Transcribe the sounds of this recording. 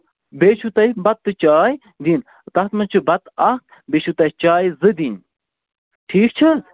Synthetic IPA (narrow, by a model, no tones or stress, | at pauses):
beːt͡ʃʰut̪ɐibɐt̪̚ːɨt͡ʃaːj | d̪in | t̪ɐht̪mɐt͡ʃʰɨbɐt̪ɐht̪̚ | beːt͡ʃʰut̪ɐit͡ʃaːjzɨd̪in | ʈʰiːkt͡ʃʰɐ